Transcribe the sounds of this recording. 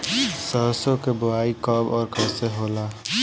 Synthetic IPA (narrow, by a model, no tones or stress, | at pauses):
səɦsokebʊaikəbɔːɾkɛseɦola